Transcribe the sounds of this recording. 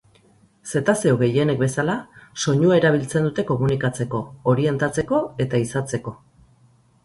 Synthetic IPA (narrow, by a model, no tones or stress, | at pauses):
se̞t̪ase̞oɣe̞je̞ne̞k̚be̞salaso̞ɲuae̞ɾaβ̞ilt͡send̪ut̪e̞ko̞munikat͡se̞ko̞ːɾie̞nt̪at͡se̞ko̞e̞t̪aisat͡se̞ko̞